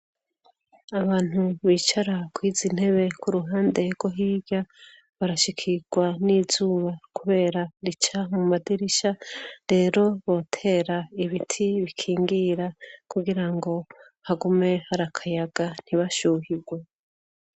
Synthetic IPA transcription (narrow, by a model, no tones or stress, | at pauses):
aβaːn̥huβiːt͡ʃaɾakwiːzin̥he̞βe̞kuɾuɦaːnde̞ɡwo̞ɦiːɟa | βaɾaʃikʰiɡ̥wanizuːβakuβe̞ːɾaɾit͡ʃamumadiɾiʃaɾe̞ːɾo̞βo̞ːtʰe̞ːɾaiβitʰiβikʰiːŋɡiɾakuɡiɾaŋɡo̞ | haɡume̞haɾakʰajaɡ̥an̥iβaʃuːhiɡwe